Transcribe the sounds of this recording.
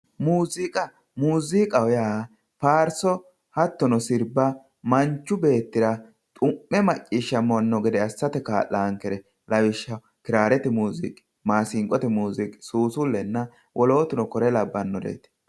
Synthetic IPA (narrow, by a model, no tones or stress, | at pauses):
muːzɪkʼɐ | muːzɪkʼɐwɔja | paːɾsɔ | hɐt̪ːɔnɔsɪɾbːɐ | mɐnt͡ʃːʊbe̞ːt̪ːɪɾɐ | t̪ʼʊʔːɛmɐt͡ʃʼːiːʃːɐmɔnːɔɡɛd̪ɛɐsːɐt̪ɛkaːʔːaːŋkːɛɾɛ | lɐwɪʃːɐ | kɪɾaːɾɛt̪ɛmuːzɪ̰kʼ | maːsɪŋkʼːɔt̪ɛmuːzɪkʼɪ̥suːsʊlːɛnːɐ | wʔɔlo̞ːt̪ʊnɔkɔɾɛlɐbːɐnːɔd̪ḛːt̪